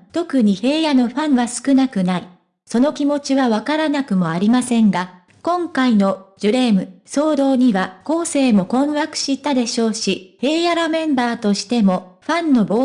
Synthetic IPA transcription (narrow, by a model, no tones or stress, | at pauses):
t̪o̞kɯ̟ɲ̟ihe̞ːjano̞ɸãɰ̃βasɨ̥kɯ̟nakɯ̟nai | so̞no̞kʲimo̞t͡ɕiβaβakaɾanakɯ̟mo̞aɾʲimasẽ̞ŋɡa | kõ̞ŋkaino̞d͡ʑɨɾe̞ːmɯ̟so̞ːd̪o̞ːɲ̟iβako̞ːse̞ːmo̞kõ̞ɰ̃βakɯ̟̥ɕit̪ːad̪e̞ɕo̞ːɕihe̞ːjaɾomẽ̞mbaːt̪o̞ɕi̥t̪e̞mo̞ɸãnːo̞bo̞ː